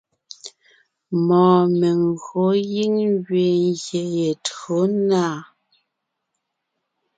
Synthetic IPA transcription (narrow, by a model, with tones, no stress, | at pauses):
mɔː˨me˨ŋɣo˨˦ji˦ŋɣɥe˨ŋɣje˨je˨tɰo˨˦naː˦˨